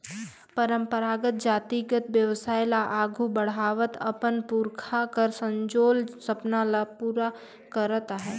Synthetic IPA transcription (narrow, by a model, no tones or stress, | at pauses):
pəɾə̃mpəɾaːɡət̪̚d͡ʒaːt̪iɡət̪ʋjəwsaːɪlaʔaːɡʱubəɽ̤aːʋət̪ɐ̰pənpuɾkʰakəɾsə̃ɲd͡ʒoːlsɐpnalapuːɾa | kəɾət̪aɦɛː